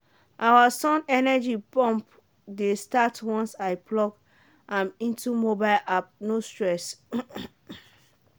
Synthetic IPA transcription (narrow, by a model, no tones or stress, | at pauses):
ʔawasɔ̃nɛnɛd͡ʒipɔ̃mp | destatwɔ̃nsaɪplɔɡ | ʔãmĩntumobaɪlʔap̚nostɹɛs